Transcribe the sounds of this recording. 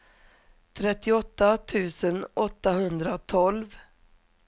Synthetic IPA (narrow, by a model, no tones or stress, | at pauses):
t̪ʰɾɛt̪ːɪɔt̪ːat̪ʰʉ̟ːsənɔt̪ːaɦɵnd̪ɾat̪ʰɔlv